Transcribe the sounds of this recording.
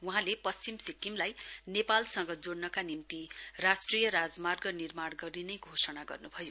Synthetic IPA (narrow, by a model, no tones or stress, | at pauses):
wuɦãlepʌsimsikːimlajnepalsʌŋɡʌd͡zoɽnʌkanimt̪irasʈrijʌɾad͡zmarɡʌnirmaɽɡʌɾinʌjɡʱosʌnaɡʌrnubʱʌjo